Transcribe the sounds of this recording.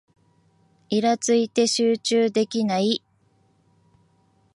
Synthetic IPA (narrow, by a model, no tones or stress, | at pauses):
iɾat͡sɨit̪e̞ɕɨːt͡ɕɨːd̪e̞kʲinai